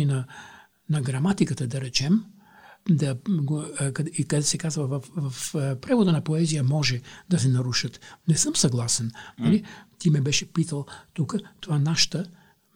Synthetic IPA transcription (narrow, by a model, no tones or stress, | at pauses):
inɐ | nɐɡɾɐmat̪ikət̪əd̪ɐɾɛt͡ʃɛm | d̪ɐɡkɐik̪sɛkazvɐvɐfvɐfpɾɛvod̪ənɐpoɛzijəmɔʒɛd̪ɐs̬ɛnɐɾuʃət̪nɛsɤmsɐɡlˠasɛnnɐlit̪imɛbɛʃɛpit̪əlˠt̪ukət̪ovanaʃə̥t̪ə